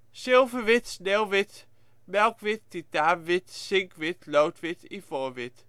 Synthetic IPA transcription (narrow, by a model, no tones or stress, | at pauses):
sɪlˠvəʋɪtsnɛlˠʋɪt | mɛlˠkʋɪtːitaːʋɪtsɪŋkʋɪtlowtʋɪtifoːʋɪt